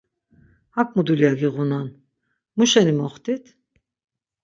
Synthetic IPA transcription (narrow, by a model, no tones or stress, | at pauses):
hak̚ʼmud̪ulijaɡiʁunan | muʃɛnimɔχt̪ʰit̪ʰ